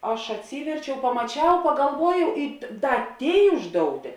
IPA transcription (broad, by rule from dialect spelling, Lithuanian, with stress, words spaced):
ˈɐʃ ɐtʲˈsʲiːʋʲɛrʲt͡ʃʲɛʊ pɐmɐˈt͡ʃʲɛʊ pɐɡɐlˠˈʋuɔjɛʊ ɪ ˈdɐ ˈtʲeːɪ ˈʊʒdoːʊˌtʲeː